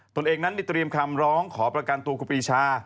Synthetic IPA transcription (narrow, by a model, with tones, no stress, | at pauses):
t̪o˧nʔeː˧ŋna˦˥nma˧˥˩t̪ɾi˧əmkʰa˧mɾɔː˦˥ŋkʰɔː˩˦pɾa˧ka˧nt̪u˧kʰu˧˩piː˧t͡ɕʰaː˧˩